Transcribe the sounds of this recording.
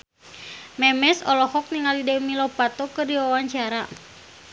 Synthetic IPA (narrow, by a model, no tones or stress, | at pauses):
mɛmɛsɔlɔhɔk̚niŋalidɛmilɔpat̪ɔkɨrdiwawaɲt͡ʃaɾa